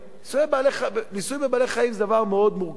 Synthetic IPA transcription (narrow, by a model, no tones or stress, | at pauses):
nisujebaleχanisujmbebaːleχaimzed̪avaʁmeo̞d̪muʁɡ